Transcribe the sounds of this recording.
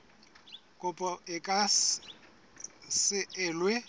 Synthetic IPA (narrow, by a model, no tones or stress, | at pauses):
kʼʊpʼɔɪkʼa | sɪɪːlwe